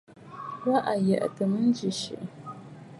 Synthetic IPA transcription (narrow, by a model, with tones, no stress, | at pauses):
wa˦ʔa˨ja˨ʔa̰˨tə˨mə˦nd͡ʒi˨ʃḭ˨